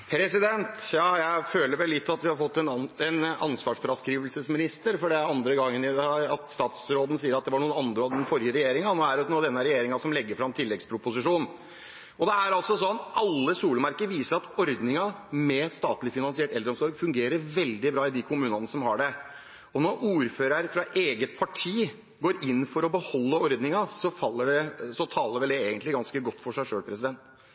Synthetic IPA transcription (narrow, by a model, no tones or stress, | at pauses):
pʰɾɛsɪd̪ɛnt̪jɑːjæɪføːləɾʋɛlːɪt̪ːɑt̪ʋɪhɑɾfɔt̪ːɛnɛnɑ̰nsʋɑːʂfɾɑskɾiːʋəlsəsmɪnɪst̪əɾfɔɖɛɑnd̪ɾəɡɑŋːənɪd̪ɛɑt̪st̪ɑːt̪sɾoːd̪nəsiːəɾɑt̪̚d̪ɛʋɑɳuːənɑnd̪ɾəɑd̪ɛnfɔɾjəɾɛjeːɾɪŋɑnoːæɖɛuːɑd̪ɛnːəɾɛjeːɾɪŋɑsɔmlɛɡːəɾfɾɑmt̪ʰɪlːɛɡspʰɾʊpʊsɪʂuːn | ɔd̪ɛæɾɑlsɔsɔnʔɑlːəsuːləmɑɾkəɾʋiːsəɾɑt̪ɔɾd̪nɪŋɑmɛst̪ɑːt̪lɪfɪnɑnsɪɛlʈ̪ɛld̪ɾɔmsɔɾɡfʉŋɡeːɾəɾʋɛld̪ɪbɾɑːɪd̪ɪkʰʊmʉːnənəsɔmhɑɖɛ | ɔnɔɾʔuːɾføːɾɑɾəfɾɑʔeːɡət̪pʰɑʈʰiː | ɡoːɾɪnːfɔɾɔbəhɔlːəɔɾd̪nɪŋɑsɔfɑlːəɖɛsɔt̪ʰɑːləɾʋɛld̪ɛeːɡənt̪lɪɡɑnskəɡɔt̪ːfɔʂæɪʂøːlpʰɾɛsɪd̪ɛnt̪